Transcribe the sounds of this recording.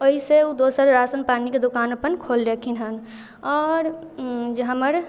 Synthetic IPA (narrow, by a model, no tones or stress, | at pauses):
əɦiseud̪osəɾɾasənpaːniked̪okaːnəpənkʰold͡ʒekʰinɦən | ɔːɾd͡ʒɦəməɾ